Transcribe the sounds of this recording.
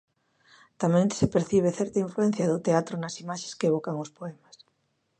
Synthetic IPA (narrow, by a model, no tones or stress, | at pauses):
t̪amẽŋsepeɾθiβ̞eθɛɾt̪aiɱfluɛn̟θjɐðʊt̪eat̪ɾʊnɐsimaʃe̥skeeβ̞okaŋʊspoɛmɐs